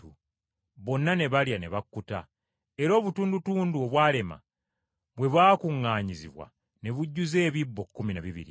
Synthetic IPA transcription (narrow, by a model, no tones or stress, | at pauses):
u | βo̞nːane̞βaljane̞̰βakːuta | e̞ɾo̞ːβutuːndutuːnduo̞βwaːle̞ma̰ | βwe̞βwaːkuŋːaːɲizḭβwa̰ | ne̞βuɟːuze̞ːβibːo̞kːuminaβiβḭɾḭ